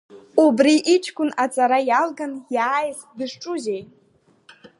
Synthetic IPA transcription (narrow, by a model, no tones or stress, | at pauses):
ubriʔːt͡ʃʰkʷʼʊnat͡sʼaɾajalɡanjaːjχdɨʂʈ͡ʂʼuzejʼ